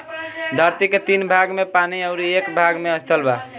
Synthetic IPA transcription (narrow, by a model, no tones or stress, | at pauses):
d̪ʱaɾt̪iket̪inbʱaɡmepaniəʊɾiekbʱaɡmeəst̪ʰəlba